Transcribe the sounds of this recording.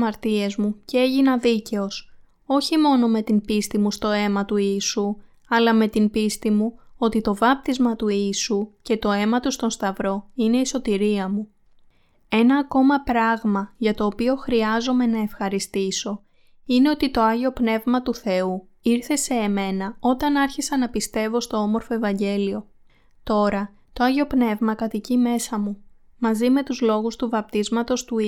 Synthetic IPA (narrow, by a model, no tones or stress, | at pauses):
ɐɾt̪ie̞zmuceeʝinɐðice̞o̞s | o̞çimo̞no̞me̞t̪inbist̪imust̪o̞e̞mɐt̪uiːsu | ɐlɐme̞t̪imbist̪imuo̞t̪it̪o̞vɐp̚t̪izmɐt̪uiːsuce̞t̪o̞e̞mɐt̪ust̪o̞nst̪ɐvɾo̞ine̞iso̞t̪iɾiɐmu | e̞nɐːko̞mɐpɾɐɣmɐʝɐt̪o̞ːpio̞xɾiɐzo̞me̞nɐe̞fxɐɾist̪iso̞ | ine̞o̞t̪it̪o̞ɐʝeo̞pne̞vmɐt̪uθe̞u | iɾθe̞se̞ːme̞nɐo̞t̪ɐnɐɾçisɐnɐpist̪e̞vo̞st̪o̞o̞mo̞ɾfo̞e̞vɐɲɟe̞lio̞ | t̪o̞ɾɐ | t̪oɐʝeo̞pne̞vmɐkɐt̪icime̞sɐmu | mɐzime̞t̪uzlo̞ɣust̪uvɐp̚t̪izmɐt̪o̞st̪u